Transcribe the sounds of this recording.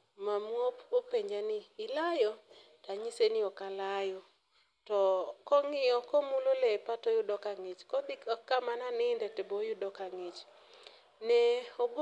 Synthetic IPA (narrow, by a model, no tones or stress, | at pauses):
mamopopeɲd͡ʒanɪːlajɔ | taɲisenɪɔkalajɔ | tɔkɔŋɪɔkɔmulolɛpatɔjʊdɔkaŋɪt͡ʃkɔd̪ɪkɔkːamananɪndɛtɛbojʊdɔkaŋet͡ʃ | nɛob